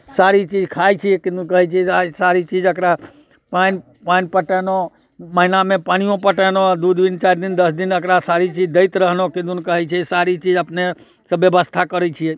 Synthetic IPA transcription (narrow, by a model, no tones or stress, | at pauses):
saɾit͡ʃid͡ʒkʰajt͡ʃʰiekɪd̪ukəɦɛt͡ʃʰeasaɾit͡ʃid͡ʒəkɾa | pan | panpəʈeno | məɦnamẽpaɽ̃ijõpəʈenod̪ud̪ʋint͡ʃaɾd̪ɪnd̪əsd̪ɪnəkɾasaɾit͡ʃid͡ʒd̪əɪt̪ɾəɦnokɪd̪unkəɦɛt͡ʃʰesaɾit͡ʃiːd͡ʒəpne | səbjəbəst̪ʰakəɾɛt͡ʃʰie